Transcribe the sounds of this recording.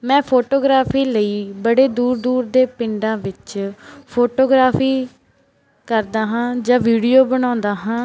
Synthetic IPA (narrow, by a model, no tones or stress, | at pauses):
mɛ̃ːpʰoːʈoːɡɾaːpʰiːləiːbəɽeːd̪uːɾd̪uːɾd̪eːpɪɳɖãːʋɪt͡ʃpʰoːʈoːɡɾaːpʰiː | kəɾd̪aːɦãːd͡ʒãːʋiːɽijoːbəɽ̃ãːnd̪aːɦãː